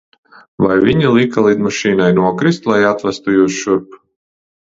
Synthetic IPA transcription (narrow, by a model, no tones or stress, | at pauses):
vajvʲiɲilˠikalˠid̪maʃiːnajnuɔkɾist̪lˠajat̪væst̪ujuːsʃuɾp